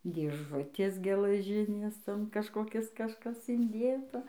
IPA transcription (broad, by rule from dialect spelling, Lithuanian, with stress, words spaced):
dʲeːˈʒʊtʲeːs ɡʲɛlˠɐˈʒʲɪnʲeːs ˈtoːn kɐʃkoːˈkʲɪs kɐʃˈkɐs ɪnʲˈdʲeːtɐ